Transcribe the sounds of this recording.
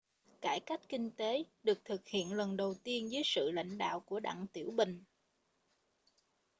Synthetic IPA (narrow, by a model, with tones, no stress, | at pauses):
kaː˧˩jka˦˥jk̟̚ki˧ŋ̟t̪e˨˦ɗɨ˨˩ək̚t̪ʰɨ˨˩k̚hḭ˧˨ənlə˨˩nɗə˨˩wt̪i˧ənzəː˨˦jsɨ̰˧˨la̰˧˨jŋ̟ɗa̰ː˧˨wku˧˩əɗa̰ː˧˨ŋt̪i˧˩əwɓï˨˩ŋ̟